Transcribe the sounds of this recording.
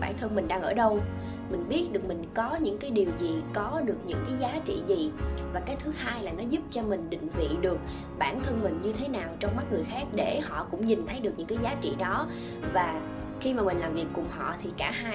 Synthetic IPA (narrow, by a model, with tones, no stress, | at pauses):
ɓaː˧˩nt̪ʰə˧nmï˨˩ŋ̟ɗaː˧ŋʔəː˧˩ɗə˧w | mï˨˩ŋ̟ɓi˦˥ət̚ɗɨ˨˩ək̚mï˨˩ŋ̟kɔ˨˦ɲɨ̰˧˥ŋkaː˨˦jɗi˨˩əwzi˨˩kɔ˨˦ɗɨ˨˩ək̚ɲɨ̰˧˥ŋkaː˨˦jzaː˨˦t͡ɕḭ˧˨zi˨˩vaː˨˩kaː˨˦jt̪ʰɨ˨˦haː˧jlaː˨˩nɔ˨˦zʊ˦˥p̚t͡ɕɔ˧mï˨˩ŋ̟ɗḭ̈˧˨ŋ̟vḭ˧˨ɗɨ˨˩ək̚ | ɓaː˧˩nt̪ʰə˧nmï̟˨˩ɲɨ˧t̪ʰe˨˦naː˨˩wt͡ɕɔ˧wŋ͡mm˦˥t̚ŋɨ˨˩əjxaː˦˥k̚ɗe˧˩hɔ̰˧˨kʊ̰˧˥ŋ͡mɲï˨˩n̟t̪ʰə˨˦jɗɨ˨˩ək̚ɲɨ̰˧˥ŋkaː˨˦jzaː˨˦t͡ɕḭ˧˨ɗɔ˨˦ | vaː˨˩ | xi˧maː˨˩mï˨˩ŋ̟laː˨˩mvi˨˩əkːʊ˨˩ŋ͡mhɔ̰˧˨t̪ʰi˨˩kaː˧˩aː˧